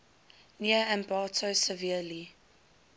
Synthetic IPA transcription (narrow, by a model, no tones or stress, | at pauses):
niəæ̃mbɑːtʰosəviəli